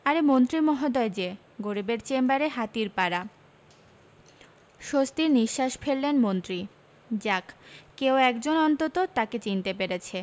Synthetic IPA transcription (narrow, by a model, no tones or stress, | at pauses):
aɾemont̪ɾimɔɦod̪ɔed͡ʑe | ɡoɾibeɾt͡ɕembaɾeɦat̪iɾpaɾa | ʃost̪iɾniʃːaʃfʰelːenmont̪ɾi | d͡ʑakkeoɛkd͡ʑonɔnt̪ot̪ot̪aket͡ɕint̪epeɾet͡ɕʰe